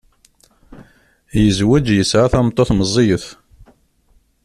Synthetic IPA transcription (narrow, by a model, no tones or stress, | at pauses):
jəzwəd͡ʒjəsʕaθæmt̪ˤːoθməzˤːijəθ